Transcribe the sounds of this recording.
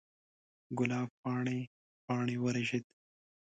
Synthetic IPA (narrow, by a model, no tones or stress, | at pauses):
ɡʊlɑːbpɑːɳi | pɑːɳiwɐɾeʒit̪